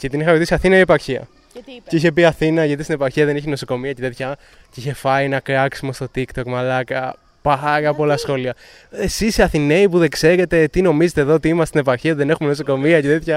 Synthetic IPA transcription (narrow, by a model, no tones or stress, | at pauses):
cet̪inixɐɾet̪isiɐθinɐiepɐɾçiɐ̰ | ceiçe̞piɐθinɐʝɐt̪ist̪inepɐɾçiɐðe̞niçenosoko̞miɐceðeθçɐ | ciçefɐjinɐkɾɐksimest̪o̞t̪ikt̪o̞kmɐlɐkɐ | pɐɾɐpolɐsxo̞liɐ | esisiɐθine̞ipuðekse̞ɾe̞t̪e̞t̪ino̞mizet̪eðoot̪iimɐst̪inepɐɾçiɐiðene̞xume̞nosoko̞miɐceðetçɐ